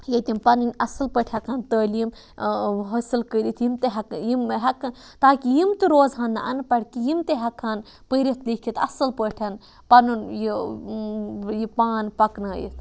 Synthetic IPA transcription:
jɐt̪ʲimpɐnɨnʲɐsɨlpəʈʰɐkʰaːnt̪əːljim | ɦɐsɨlkəɾit̪ʰjimt̪eɦɐkjimɦɐkɐn | t̪aːkijimt̪ɨɾoːzɦɐnd̪aɐ̰npɐɽkijimt̪eɦɐkʰːan | pəɾʲit̪ʰlikʰit̪ɐsɨlpəʈʰɐn | pɐnunji | jipaːnpɐknɐːjḭt̪

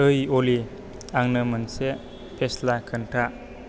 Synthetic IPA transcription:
ɯjoli | aŋnɯmənse | pʰeslakʰəntʰa

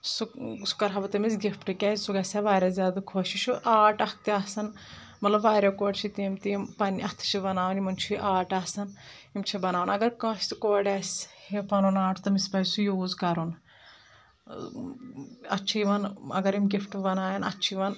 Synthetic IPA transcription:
susu̥kɐɾɦɐbɐt̪ɐmisɡʲifʈɨkʲaːssuɡɐsʲaʋaːɾʲazʲaːd̪ɐkʰoːʃit͡ʃʰuʔaːʈɐkt̪iaːsɐn | mɐt̪lɐbʋaːɾʲakoːɖt͡ʃʰit̪imt̪iimpɐniʔɐt̪ʰt͡ʃʰibɐnaːʋɐnimɐnt͡ʃʰuiʔaːʈaːsɐnimt͡ʃʰibɐnaːʋɐnɐɡɐɾkɐ̃ːst̪ɨkoːɖʲaːsʲhepɐnunaːʈt̪ɐmispɐjsujoːzkɐɾun | ɐ̰tːt͡ʃʰiʋɐnɐ̰ɡɐɾimɡifʈbɐnaːjɐnɐ̰tːt͡ʃʰiʋɐn

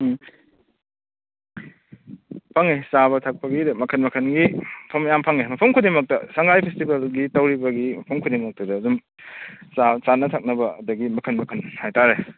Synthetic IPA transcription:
pʰaŋesaβɐtʰak̚pɐɡidmɐkʰɐnmɐkʰɐnɡipʰɐmjampʰaŋemɐpʰumkʰudemɐk̚tɐsɐŋɡajpʰestibɐlɡitɐwɾibɐɡimɐpʰuŋkʰudemɐk̚tɐdɐːzum | sasanɐtʰak̚nɐbɐɐdɐɡimɐkʰɐnmɐkʰɐnhajtaɾe

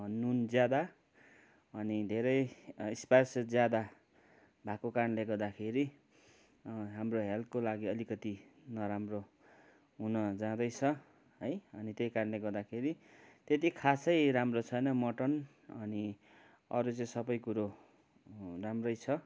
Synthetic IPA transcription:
nund͡zjad̪a | ʌnid̪ʱeɾʌjisparsʌd͡zjad̪a | bʱãkokaɾʌnleɡʌrd̪akʰeɾi | ɦamroɦelt̪̚kolaɡiʌlikʌt̪inʌɾamro | ɦunʌd͡zãd̪ʌjt͡sʰʌ | ʌjʌnit̪jʌjkaɾʌnleɡʌrd̪akʰeɾit̪et̪ikʰasʌjɾamrot͡sʰʌjnʌmʌʈʌn | ʌni | ʌɾut͡sʌĩsʌbʌjkuɾo | ramrʌjt͡sʰʌ

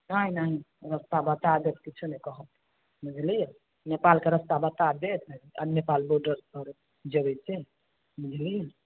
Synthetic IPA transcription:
naɦinaɦiɾəst̪abət̪ad̪et̪kit͡ʃʰunɛkəɦət̪ | mid͡ʒʱlija | nepalkeɾəst̪abət̪ad̪et̪ɦəa̰nepalboɾɖəɾkəɾ | d͡ʒəbɛt͡ʃe | mid͡ʒʱlija

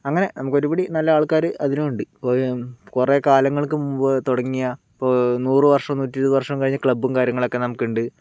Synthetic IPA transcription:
ɐŋːɐne̞nɐmukːo̞ɾubɐɽinɐlːɐaːɭkaːɾɨʔɐðinumuɳɖɨpoːkurekaːlɐŋːɐɭkːɨmumbɨt̪oɽɐŋːijaipːonuːrɨʋɐrʂɐmnuːtːiɾuðɨʋɐrʂɐmkɐɻiɲːɨkɭɐbumkaːɾjɐŋːɐɭo̞kːe̞nɐmukːiuɳɖɨ

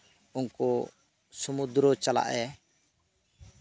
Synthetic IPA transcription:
ʊnkɔ | sumud̪ɾɔt͡ʃala̰ʔɛ

